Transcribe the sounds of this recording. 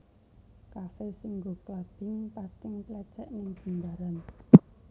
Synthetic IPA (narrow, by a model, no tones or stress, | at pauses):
kafesiŋɡoklad̪̥ɪŋpat̪ɪŋplɛ̥t͡ʃɛʔnɪŋd̪̥ə̤nd̪aɾan